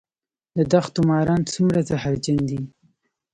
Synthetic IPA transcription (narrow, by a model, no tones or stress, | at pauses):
d̪əd̪axt̪ʊmɑɾɑnt͡sumɾazahaɾd͡ʒand̪i